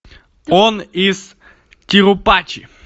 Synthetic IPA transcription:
oniz | tʲɪɾʊpat͡ɕɪ̰

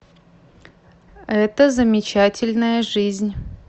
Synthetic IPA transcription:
ɛt̪əzəmʲɪt͡ɕatʲɪlʲnəjəʐɨzʲnʲ

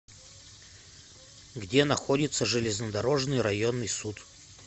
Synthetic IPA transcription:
ɡdʲenɐxo̞dʲɪt̪səʐɨlʲɪznəd̪ɐɾo̞ʐnɨjɾɐjonːɨjsut̪

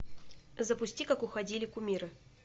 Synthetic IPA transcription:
zəpʊsʲtʲikakʊxɐdʲilʲɪkʊmʲiɾɨ

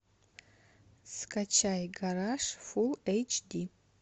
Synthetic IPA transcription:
skʰʼat͡ʃʰajɡaɾaʂfulejt͡ʃʰdi

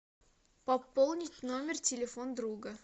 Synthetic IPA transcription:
pɐpːolˠnʲɪtʲno̞mʲɪrtʲɪlʲɪfond̪ɾuɡə

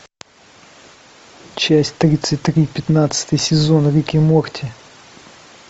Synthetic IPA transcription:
t͡ɕæsʲtʲt̪ɾʲit̪sɨtʲt̪ɾʲipʲɪt̪nat̪sɨ̥t̪əjsʲɪzo̞nɾʲɪkʲimortʲɪ

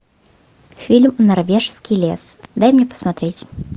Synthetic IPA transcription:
fʲilʲmnarvʲɛʂskʲilʲɛ̰sd̪ajmnʲɛpɐ̥smat̪ɾʲɛt͡sʲ

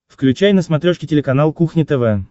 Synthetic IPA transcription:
fklʲʉt͡ɕæjnəsmɐt̪ɾʲoʂkʲɪtʲɪlʲɪkɐnalˠkuxnʲɪt̪ɛvɛ

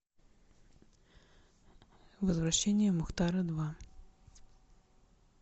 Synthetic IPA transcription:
vɐzvɾɐɕːɛnʲːijɐmʊxt̪ɑɾɐd̪ʋɑ

